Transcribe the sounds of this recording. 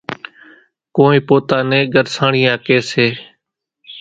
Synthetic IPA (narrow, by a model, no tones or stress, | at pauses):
koːĩːpoːt̪aːnẽːɡəɾsãːɳiːãːkeːseː